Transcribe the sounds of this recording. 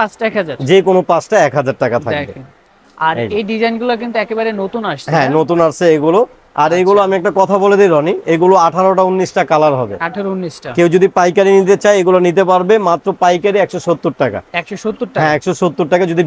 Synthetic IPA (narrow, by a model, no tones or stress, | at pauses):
pat͡ɕʈaɛkɦad͡ʑaɾd͡ʑekonopãt͡ɕʈaɛkɦad͡ʑaɾʈakat̪ʰa̰kbe | aɾeɖid͡ʑajnɡulak̬int̪uɛkebaɾenot̪unaʃt͡ɕʰɦɛ̃not̪unaɾt͡ɕʰeeɡulo | aɾeɡuloamiɛk̚ʈakɔt̪ʰaboled̪iɾɔnieɡuloaʈʰaɾoʈaunːisʈakalaɾɦɔbḛaʈʰaɾounːisʈakewd͡ʑod̪ipajkaɾinit̪et͡ɕajeɡulanit̪̬epaɾbemat̪ːɾopajkaɾiɛkʃoʃot̪ːoɾʈaka̰ɛkʃoʃot̪ːoɾʈaɦɛ̃ɛkʃoʃot̪ːoɾʈakad͡ʑod̪i